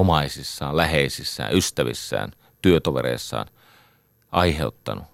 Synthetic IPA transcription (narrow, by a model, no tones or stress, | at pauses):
omɑisisːɑːllæheisisːæ̰ːʔyst̪æʋḭsːæ̰ːn | t̪yøt̪oʋḛɾḛisːɑ̰ːn | ʔɑiheut̪ːɑnu